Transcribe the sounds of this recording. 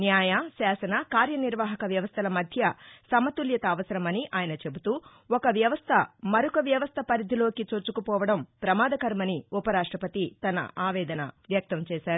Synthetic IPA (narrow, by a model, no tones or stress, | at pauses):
njaːjasaːsɐnɐkaːɾjɐniɾʋaːɦɐkɐʋjɐʋɐst̪ʰɐlɐmɐd̪ʱjɐsɐmɐt̪uljɐt̪ɐːʋɐsɐɾɐmɐniʔaːjɐnɐt͡ʃe̞but̪uː | ɔkɐʋjɐʋɐst̪ʰɐmɐɾukɐʋjɐʋɐst̪ʰɐpɐɾid̪ʱilo̞ːkit͡ʃot͡ʃːukupɔːʋɐɽɐmpɾɐmaːd̪ʱɐkɐɾmɐniupɐɾaːʂʈɾɐpɐt̪it̪ɐnɐ̰aːʋɛːd̪ɐnɐ̰ʋjɐk̚t̪ɐmt͡ʃɛːʃaːɾu